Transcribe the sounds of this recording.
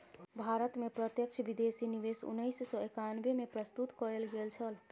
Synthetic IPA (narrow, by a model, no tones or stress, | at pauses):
bʱaɾət̪mepɾət̪jək̚t͡ʃʰbid̪esiniʋesṵnːəɪssɔ̃ekanbemepɾəst̪ut̪kɔɾelɡelt͡ʃʰəl